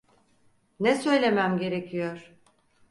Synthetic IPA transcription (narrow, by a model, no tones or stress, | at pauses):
nɛsø̞jlʲe̞mæmɟe̞ɾecʰijoɾ̥